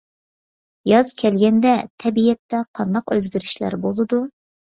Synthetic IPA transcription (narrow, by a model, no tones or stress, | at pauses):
jɑzkʲʰɛlɡʲɛnd̪ɛt̪ʰɛbijɛt̪ːɛqʰɑnd̪ɑqøzɡʲiɾyʃlæ̰ɾbolˠɨd̪u